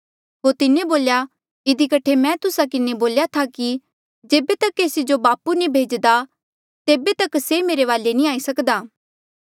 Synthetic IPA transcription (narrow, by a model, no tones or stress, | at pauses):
ɦot̪ɪneboːlja | ɪd̪ikɐʈʰemɛ̃t̪ʊsakɪneboːljat̪ʰaki | d͡ʒeːbet̪ɐkːeːsid͡ʒobaːpunĩbʱeːd͡ʒd̪a | t̪eːbet̪ɐksemeːɾeʋaːlenĩaːisɐkd̪aː